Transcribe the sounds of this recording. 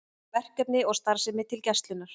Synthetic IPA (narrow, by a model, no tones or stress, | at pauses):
vɛr̥kɛpnɪɔɣst̪aɾsɛmɪt̪ʰɪlcɛst̪lʏnːaɾ̥